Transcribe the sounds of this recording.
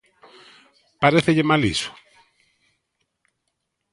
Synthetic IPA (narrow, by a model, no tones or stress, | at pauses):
paɾeθeʎemalḭsʊ̥